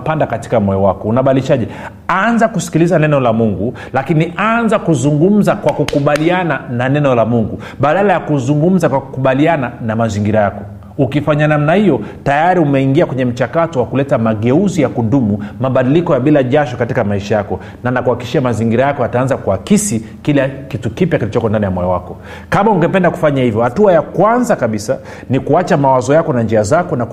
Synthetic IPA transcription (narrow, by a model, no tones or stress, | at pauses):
pandakati̥kamɔjɔwakɔunaɓadiliʃaʄɛ | anzakusi̥kilizanɛnɔlamuŋɡu | lakinianzakuzuŋɡum̩zakwakukuɓalianananɛnɔlamuŋɡu | ɓaɗalajakuzuŋɡum̩zakwaku̥kuɓaliananamaziŋɡiɾajakɔ | ukifaɲanamnahijɔtajaɾiumɛiŋɡiakwɛɲɛm̩t͡ʃakatɔwakulɛtamaɠɛuzijakundumumaɓaɗilikɔjaɓilaʄaʃɔkatikamaiʃajakɔ | nanakuhaki̥ʃiamaziŋɡiɾajakɔataanzakuhakisi | kilɛkitukipjakilit͡ʃɔkɔndanijamwɔjɔwakɔ | kamauŋɡɛpɛndaku̥faɲahivjɔhatuajakwanzakaɓisa̰ | nikuat͡ʃamawazɔjakɔnand͡ʒiazakɔna